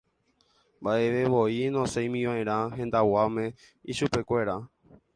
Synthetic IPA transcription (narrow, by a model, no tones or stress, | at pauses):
mbaʔe̞ʋe̞ʋoinõsẽj̃mĩʋãẽɾ̃ãɦẽ̞nd̪awamẽ̞ | iʃupe̞kʷe̞ɾa